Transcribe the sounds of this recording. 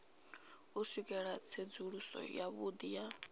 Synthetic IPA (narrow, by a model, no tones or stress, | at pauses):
usikʼɛɺat͡sʰed͡zuɺusɔ̰jaβud̪ija